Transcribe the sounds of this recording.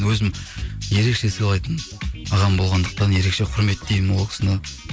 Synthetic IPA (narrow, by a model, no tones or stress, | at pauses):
nwɵzɪmje̞ɾe̞kʃe̞səjlˠɑjt̪ənɑʁɑmbo̞lˠʁɑnd̪əq̚t̪ɑnje̞ɾe̞kʃe̞qʰʊɾme̞t̪d̪ej̪ɪmo̞lˠkʰʲɪ̥sənə